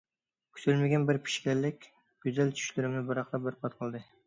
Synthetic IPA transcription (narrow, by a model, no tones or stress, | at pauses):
kʲʰy̥sylmɪɡʲɛnbɪɾpʰi̥ʃkʲɛlːɪkʲ | ɡ̥ʲyzɛlt͡ʃʰy̥ʃlyɾɪmnɪbɨɾɑqt̪ˠɑbɪɾpʰɑt̪qʰəlˠd̪ɨ